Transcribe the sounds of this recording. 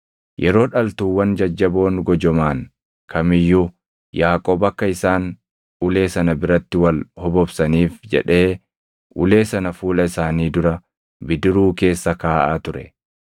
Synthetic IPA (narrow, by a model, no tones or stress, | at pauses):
jʔɛɾo̞ːᶑɐlt̪uːwːɐnd͡ʒɐd͡ʒːɐbo̞ːŋɡɔd͡ʒɔmaːŋ | kʰɐmɪjːʊ | jaːkʼo̞ːbɐkːɐɪsaːn | ʔʊle̞ːsɐnɐbɪɾɐt̪ːɪwɐlhɔbɔbsɐniːfd͡ʒɛ̰ᶑe̞ː | ʔʊ̰le̞ːsɐnɐfuːlɐɪsaːniːd̪ʊɾɐ | bɪd̪ɪɾuːke̞ːsːɐkaːʔaːt̪ʊɾɛ̰